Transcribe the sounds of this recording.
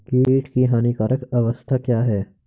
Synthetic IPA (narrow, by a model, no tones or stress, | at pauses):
kiːiːʈkiɦaːnikaːɾəkɐʋəst̪ʰakjaːɦɛː